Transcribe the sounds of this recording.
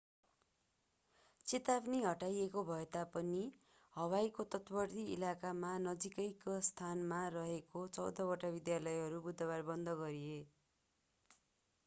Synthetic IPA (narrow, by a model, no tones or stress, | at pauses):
t͡sit̪abniɦʌʈajekobʱʌet̪apʌni | hʌwajkot̪ʌt̪bʌrt̪iḭlakamanʌd͡zikʌjkost̪ʰanmarʌɦekot͡sʌwd̪ʌbʌʈabid̪jalʌjɦʌɾubud̪ʱʌβarbʌnd̪ʌɡʌɾie